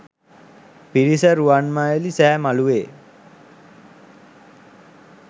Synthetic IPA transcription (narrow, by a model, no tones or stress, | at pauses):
piɾisəɾuanmajəlisæːmaluʋeː